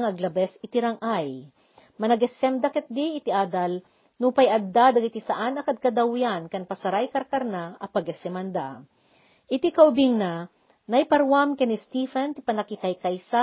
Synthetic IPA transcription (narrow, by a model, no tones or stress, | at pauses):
ŋɐɡlɐbɛsɪt̪ɪɾaŋʔaj | mɐnɐɡɛsɛmd̪ɐkɛt̪̚d̪iɪt̪ɪʔaːd̪ɐl | nupɐjʔɐd̪d̪ad̪ɐɡit̪isɐʔanɐkɐd̪̚kɐd̪awjankɐnpɐsɐɾajkɐɾkɐɾnaʔɐpɐɡɛsɛmɐnd̪a | ʔɪt̪ikɐʔʊbiŋna | nɐjpɐɾwamkɛnist̪ifɛnt̪ɪpɐnɐkɪkajkajsa